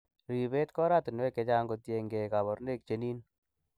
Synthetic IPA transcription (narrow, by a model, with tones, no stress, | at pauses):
lo˨ji˨be˦tkɔ˦ɾa˦tɪ˨nwɛ˦kɛ˨˧t͡ʃa˦ŋɡo˨˧tje˨ŋɡɛ˨ka˨bɔ˨ɾne˦˨k̚t͡ʃe˨˦ni˦n